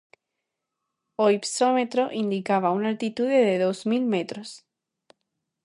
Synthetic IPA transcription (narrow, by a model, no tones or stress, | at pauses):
oipsomet̪ɾoʔind̪ikaβ̞aunalt̪it̪uðeðeðozmilmet̪ɾos